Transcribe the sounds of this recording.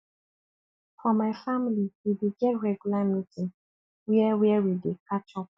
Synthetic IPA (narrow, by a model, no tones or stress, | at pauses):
fɔmaɪfamiliwideɡɛtɹɛɡjulamitʰĩ | wiɛwiɛwidekʰat͡ʃɔ